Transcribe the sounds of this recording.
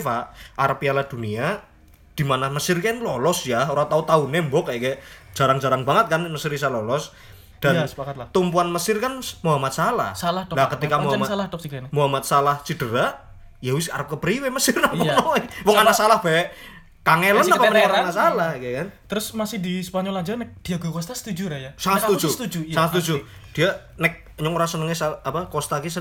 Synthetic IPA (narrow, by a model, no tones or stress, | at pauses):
faʔʔaɾapialad̪̥ṳnia | d̪̥imanaməsɪrkɛnlɔlɔsjaoɾat̪aut̪aunembɔkajɛkɛ̥d͡ʒ̥a̤ɾaŋd͡ʒaɾaŋbaŋət̪̚kanməsɪɾis̬alɔlɔs | d̥aəakat̪lat̪umpuanməsɪrkanmuɦamat̪̚sala̰hsalalakət̪ikamuamasaladɔsmuɦamat̪̚salaht͡ʃid̥əɾaʔ | jawɪsaɾəp̚kəpɾiweməsɪrnaŋkɔnɔɛwɔŋanasalahb̥aɛʔ | kaŋelənapaməɲɲɔŋɾaanasalahkkant̪əɾʊsmasɪhdisəpaɲɔlad͡ʒanɛk̚d̥iaɡokɔst̪asə̥t̪ud͡ʒuɾajasaŋat̪st̪ud͡ʒusət̪ud͡ʒuaŋat̪sət̪ud͡ʒud̥ia | nɪk̚ | ɲɔŋuɾasənəŋesaapakɔst̪akisə